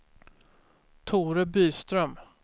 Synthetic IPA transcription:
t̪ʰuːɾəbyːst̪ɾœm

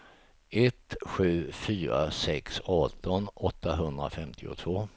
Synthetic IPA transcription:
ɛt̪ɧʉ̟ːfyːɾa̰sɛksɔt̪ːɔnɔt̪ːaɦɵnd̪ɾa̰fɛmt̪ʰɪʊ̰t̪ʰvoː

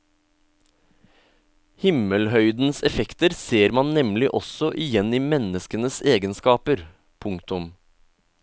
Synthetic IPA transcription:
hɪməlhœʏd̪n̩sɛfɛkt̪əɾseːɾmɑnnɛmlɪʔɔsɔʔɪjɛniːmɛnəskənəseːɡənskɑːpəɾ | pʰʊŋkt̪ʊm

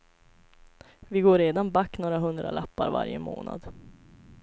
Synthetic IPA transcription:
vɪɡoːɾeːd̪anbakːnoːɾaɦɵnd̪ɾalapːaɾva̰ɾjəmoːna̰d̪

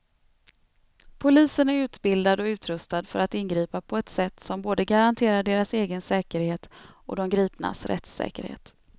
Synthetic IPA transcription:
pʰʊliːsənæɾʉ̟ːt̪bɪld̪ad̪ɔʉ̟ːt̪ʰɾɵst̪ad̪fœ̰ɾat̪ɪnɡɾiːpapʰɔɛt̪sɛt̪ːsɔmboːd̪əɡaɾant̪ʰeːɾaɖeːɾaseːɡənsɛːkəɾheːt̪ɔ̰d̪ɛmɡɾiːpna̰sɾɛ̰t̪sɛ̰ːkə̰ɾhḛːt̪

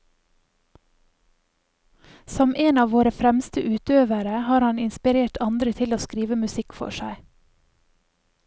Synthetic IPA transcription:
sɔmʔeːnɑːʋoːɾəfɾɛmst̪əʔʉːt̪øːʋəɾəhɑːɾhɑnɪnspɪɾeːʈʰɑnd̪ɾət̪ʰɪloːskɾiːʋəmʉsɪkfɔ̰ʃæɪ

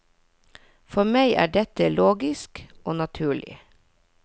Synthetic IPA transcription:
fɔmæɪʔæ̰ːɖɛt̪əloːɡɪskoːnɑt̪ʰʉːɭɪ̰

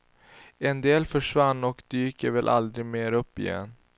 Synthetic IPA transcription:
ɛnd̪eːlfœʂvanːɔkd̪yːkəvɛlʔa̰ld̪ɾɪɡmeːɾɵpːɪ̰jɛ̰nː

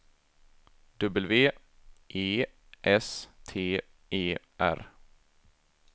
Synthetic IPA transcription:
d̪ɵbəlveːʔeː | ʔɛst̪ʰeː | ʔeː | ʔæ̰ɾ

